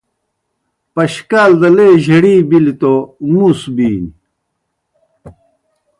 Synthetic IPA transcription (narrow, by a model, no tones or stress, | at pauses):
pɐɕkaːld̪ɐleːʑɐɽiːbilit̪omusbiːni